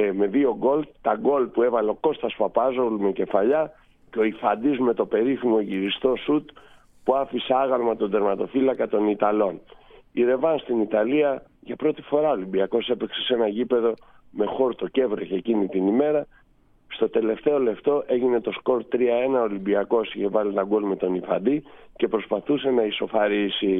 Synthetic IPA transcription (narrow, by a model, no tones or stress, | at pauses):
me̞ðio̞ɡo̞lt̪ɐɡo̞lpue̞vɐleo̞ko̞st̪ɐspɐpɐzolmece̞fɐʎɐ | ceo̞ifɐnd̪izme̞t̪o̞pe̞ɾiθimo̞ʝiɾist̪o̞sut̪ | puɐfiseɐɣɐlmɐt̪o̞nd̪e̞ɾmɐt̪o̞filɐkɐt̪o̞nit̪ɐlo̞niɾe̞vɐnst̪init̪ɐliɐʝɐpɾo̞t̪i̥fo̞ɾɐolimbiɐko̞se̞pekse̞se̞nɐʝipe̞ðo̞ | me̞xo̞ɾt̪o̞ce̞vɾeçeːcinit̪inime̞ɾɐ | st̪o̞t̪e̞le̞ft̪e̞o̞le̞ft̪o̞ʔe̞ʝine̞t̪o̞sko̞ɾt̪ɾiɐe̞nɐo̞limbiɐko̞siçe̞vɐlit̪ɐɡolme̞t̪o̞nifɐ̰d̪ice̞pɾo̞spɐθuse̞nɐiso̞fɐɾisi